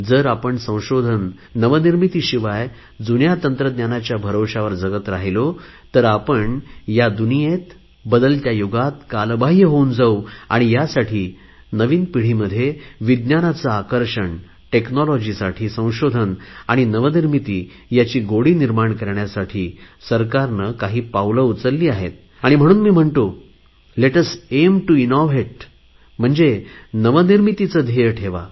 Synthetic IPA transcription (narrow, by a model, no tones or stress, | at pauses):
d͡zəɾapəɳsə̃w̃ɕod̪ʱənː | əʋəniɾmit̪iːɕiʋaj | d͡zunjat̪ənt̪ɾəd̪njanat͡ɕjabʱəɾoɕaʋəɾd͡zəɡət̪ɾaɦilot̪əɾapəɳjad̪unijet̪ | bəd̪əlt̪jajoɡat̪̚kalbaɦjəɦound͡zaua̰ɽ̃ijasaʈʰiː | nəʋiːnpiɽ̤iːməd̪ʱːjeʋid̪njanat͡saakəɾʂəɳ | ʈeknɔlɔd͡ʑiːsaʈʰiːsə̃w̃ɕod̪ʱənaɽ̃inəʋəniɾmit̪iː | jat͡ɕiːɡoɽiːniɾmaɳkəɾɳjasaʈʰiː | səɾkaɾnəkaɦiːpawləut͡səɾliːaɦḛt̪̚ | aɽ̃im̤əɽ̃uːnmiːm̤əɳt̪o | leʈəsemʈuinoʋeʈ̚ | m̤əɳd͡zenəʋəniɾmit̪it͡səd̪ʱeʈʰeʋa̰